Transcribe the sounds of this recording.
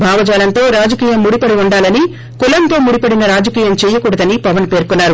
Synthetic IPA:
bʱaːʋɐd͡ʒaːlɐnt̪o̞ːɾaːd͡ʒɐkiːjɐmːuɽipɐɽiuɳɖaːlɐni | kulɐnt̪o̞ːmuɽipɐɽinɐɾaːd͡ʒɐkiːjɐmt͡ʃɛːjɐkuːɽɐd̪ɐnipɐʋɐnpe̞ːɾkunːaːɾu

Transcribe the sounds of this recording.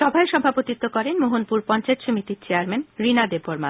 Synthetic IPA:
ʃɔbʱaeʃɔbʱapot̪it̪ːokɔɾenmoɦonpuɾpɔnt͡ɕaet̪ʃomit̪it͡ɕeaɾmenɾinad̪eboɾma

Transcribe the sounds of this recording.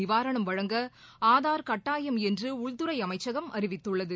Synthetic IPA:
ɪʋaːɾɐɳɐmʋɐɻɐŋɡɐ | aːðaːɾkɐʈːaːjɐmɛndrɯʊɭt̪ɯɾɐɪɐmɐɪt͡ʃːɐɣɐmʔɐ̰ɾɪʋɪt̪ːɯɭːɐðɯ

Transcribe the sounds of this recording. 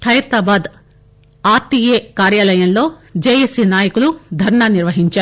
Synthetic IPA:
t̪ʰɐjɾt̪aːbaːd̪ | aːɾʈiːjeːkaːɾjaːlɐjɐmlo̞ːd͡ʒeːjesiːnaːjɐkulud̪ʱɐɾɳaːniɾʋɐɦiɲt͡ʃaː

